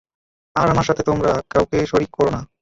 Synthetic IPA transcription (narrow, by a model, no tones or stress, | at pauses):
aɾamaɾʃat̪ʰet̪omɾakawkeʃoɾikːɔɾona